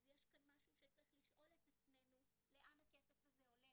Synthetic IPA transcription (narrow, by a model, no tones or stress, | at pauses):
azjeʃkanmaʃuʃet͡saʁiχliʃʔo̞let̪at͡sme̞nu | le̞ʔanhake̞sefazeole